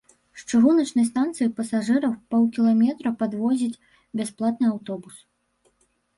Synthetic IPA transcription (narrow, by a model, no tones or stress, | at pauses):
ʂt͡ʂɨɣunɐt͡ʂnɐjst̪ant̪sɨjipɐsaʐɨɾɐwpɔwkʲilˠamʲɛt̪ɾɐpad̪vɔzʲit͡sʲ | bʲasplˠat̪̚nɨawt̪ɔbus